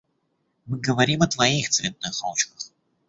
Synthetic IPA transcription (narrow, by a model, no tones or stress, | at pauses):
mɨɡəvɐɾʲimɐt̪vɐixt̪svʲet̪̚nɨxa̰lˠt͡ɕkəx